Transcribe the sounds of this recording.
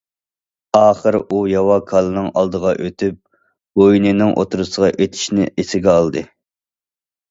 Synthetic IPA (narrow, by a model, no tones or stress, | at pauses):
ɑːχəɾujɑwɑkʰɑlˠɨnɨŋɑ̰lˠd̪əʁɑʔøt̪ʰyp̚ | ɡ̥ojnɪnɪŋʔo̰t̪ʰuɾɨsəʁɑʔet̪ʰɪ̥ʃnɪ̰ʔesɪɡʲɛɑlˠd̪ɨ